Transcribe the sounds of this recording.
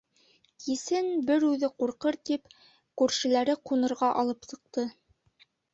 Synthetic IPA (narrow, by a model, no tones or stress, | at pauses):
kisɘnbɘɾʉðɘquɾqɤɾt̪ip | kʉɾʃɘ̆læɾɘqunɤ̆ɾʁɑʔɑlˠɤpsɤ̆q̚t̪ɤ